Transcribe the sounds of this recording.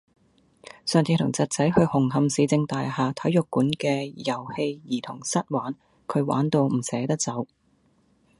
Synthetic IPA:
sœː˨ŋt͡sʰiː˧t̪ʰʊ˨˩ŋt͡sɐ˨t̚t͡sɐ˨˥jhɵ˧ɥhʊ˨˩ŋɦɐ˧msiː˨˧t͡sɪ˧ŋt̪aː˨jhaː˨t̪ʰɐ˨˥jjʊ˨kːuː˨˥nkɛː˧jɐ˨˩whe˧jjiː˨˩t̪ʰʊ˨˩ŋsɐ˥t̚waː˨˥n | kʰɵ˨˧ɥwa̰ː˨˥nt̪o˧wm̩˨˩sɛː˨˥t̪ɐ˥k̚t͡sɐ˨˥w

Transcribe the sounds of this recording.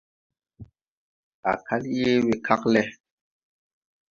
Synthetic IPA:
a̰˨kʰa˦lje˦wi˨kʰa˦klɛ˦

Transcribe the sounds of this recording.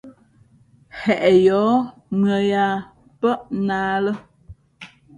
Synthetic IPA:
hɛ˨ʔɛ˨jɔ˨˦ | mɰə˨ja˨ | pə˦ʔnaː˦lə˦

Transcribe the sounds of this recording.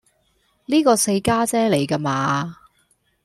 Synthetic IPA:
niː˥kɔː˧se˧jkaː˥t͡sɛː˥le˨jka˧maː˧

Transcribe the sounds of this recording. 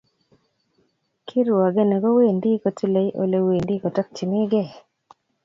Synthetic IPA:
kʰi˦ɾa˨ɡe˦nɛ˨ɡɔ˦we˦˨ndi˦ko˨ti˦le˨jʔo̰˨le˦we˨ndi˦kɔ˨ta˦k̚t͡ʃɪ˨mɪ˦ɡe˦˨

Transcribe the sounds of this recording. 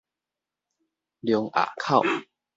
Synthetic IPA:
ljŋʔa̰˨˩kʰa˥˨w

